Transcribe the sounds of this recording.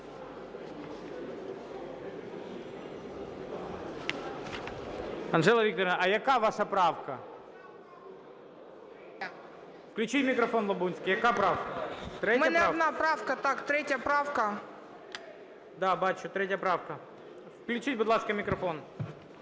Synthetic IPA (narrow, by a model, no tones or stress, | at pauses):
ɐnʐɛlˠɐvʲikt̪əɾʲɪnɐʔɐjɐkavaʂɐpɾafkɐ | fklʲʉt͡ɕitʲmʲɪkɾɐfonlˠɐbunʲsʲkʲɪjɐkapɾafkɐt̪ɾʲemjnʲɐad̪napɾafkɐt̪akt̪ɾʲetʲjəpɾafkɐ | d̪abat̪ʲʃʊt̪ɾʲetʲjɐpɾafkɐ | fklʲʉt͡ɕitʲbʊd̪lˠaskəmʲɪkɾɐfo̞n